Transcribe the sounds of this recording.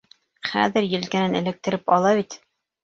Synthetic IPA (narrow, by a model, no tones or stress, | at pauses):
χæ̰ðɘɾjɘ̆lkæ̆nænɘ̆lɘ̆k̚t̪ɘ̆ɾɘpɑlˠɑβit̪